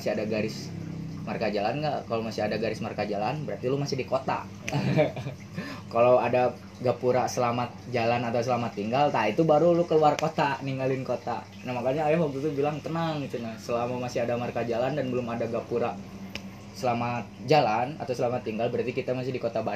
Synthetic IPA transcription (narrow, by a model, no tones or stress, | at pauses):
asɪadaɡaɾɪsma̰rkad͡ʒalanŋɡaʔkalomasɪadaɡaɾɪsmarkad͡ʒalanbəɾart̪ilumasɪhdikot̪a̰ | kalawada | ɡapuɾasəlamat̪̚d͡ʒalanat̪aws̬əlamat̪ːiŋɡalt̪ait̪ubaɾulʊkəluarkot̪aniŋɡalɪnkot̪a̰ | nahmakaɲaːjahwak̚t̪ut̪ubilaŋt̪ənaŋit̪unasəlamamasɪadamarkad͡ʒalandanbəlʊmadaɡapuɾa | səlamat̪̚d͡ʒalana̰t̪awsəlamat̪ːiŋɡalbəɾart̪ikit̪amas̬ɪhdikot̪aba